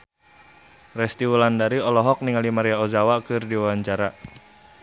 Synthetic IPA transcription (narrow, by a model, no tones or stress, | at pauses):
rɛst̪iwulandaɾiɔlɔɦɔk̚niŋalimaɾiaɔzawakɨrdiwawaɲt͡ʃaɾa